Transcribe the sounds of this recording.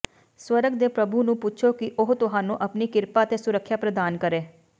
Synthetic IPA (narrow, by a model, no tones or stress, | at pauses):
swəɾəɡd̪eːpɾəbunũːpʊtːt͡ʃʰoːkɪʔʊɦt̪ʊɦaːnũːʔəpniːkɪɾpaːt̪eːsʊɾəkʰːjaːpɾəd̪aːnkəɾeː